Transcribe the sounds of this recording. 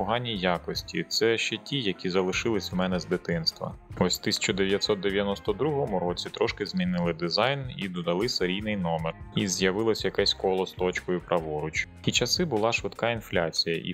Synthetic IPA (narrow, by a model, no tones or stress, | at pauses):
ɔɦɑnʲːijɑkɔsʲtʲḭt̪sɛʃt͡ʃɛtʲijɐkʲizɐlˠɪʃɪlˠɪsʲmɛnɛzd̪ɪt̪ɪnst̪ʋɐ̰ɔsʲt̪ɪsʲɐ̥t͡ʃɔd̪eʋjɐt̪sɔt̪̚d̪eʋʲjɐnɔst̪ɔd̪ɾuɦɔmʊɾɔt͡sʲit̪ɾɔʃkɪzʲmʲinɪlˠɪd̪ɪzɑjnḭd̪ɔd̪ɐlˠɪseɾʲijnɪjnɔmɛrizʲjɐʋɪlˠɔsʲjɐkɛsʲkɔlˠɔst̪ɔt͡ʃkɔjʊpɾɐʋɔɾʊt͡ʃʲ | it͡ʃɐsɪbʊlˠɑʃʋɪt̪kɑinflʲat͡sʲijɐ̰ʔḭ